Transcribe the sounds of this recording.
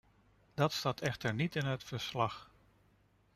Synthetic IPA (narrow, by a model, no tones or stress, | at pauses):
d̥ɑtstatʰɛxtəɹnitɪnɦətfəɹslɑx